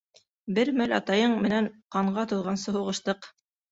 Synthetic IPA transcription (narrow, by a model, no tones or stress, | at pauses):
bɘɾmælʲɑ̰t̪ɑjɤɴmɘ̆næɴqɑɴɢɑt̪ŭðʁɑnsɤɦuʁɤ̆ʃt̪ɤq